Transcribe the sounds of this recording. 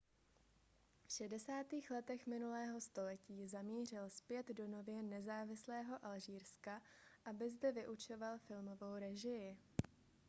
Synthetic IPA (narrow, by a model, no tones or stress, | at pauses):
fʃɛdɛsaːt̪iːxlɛt̪ɛxmɪnulɛːɦo̞st̪o̞lɛciːzamiːr̝ɪlspjɛd̪do̞no̞vjɛnɛzaːvɪslɛːɦo̞ʔalʒiːɾskaʔabɪzdɛvɪʔut͡ʃo̞valfɪlmo̞vowɾɛʒɪjɪ